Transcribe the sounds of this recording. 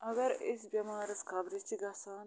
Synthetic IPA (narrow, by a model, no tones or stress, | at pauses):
ɐɡɐɾisbʲɐmaːɾɐskɐbɾist̪iɡɐsaːn